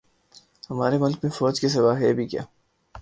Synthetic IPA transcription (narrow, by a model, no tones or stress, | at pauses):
hɐmaːɾemʊlkmẽfɔːd͡ʒkis̬ɪwaːɦɛːbʱikja̰ː